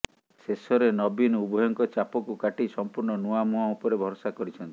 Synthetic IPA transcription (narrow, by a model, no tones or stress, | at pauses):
sesɔɾenɔbinubʱɔjɔŋkɔt͡ʃapɔkukaʈisɔmpuɾɳɔnuamuɦaupɔɾebʱɔɾɔsakɔɾit͡ʃʰɔnt̪i̥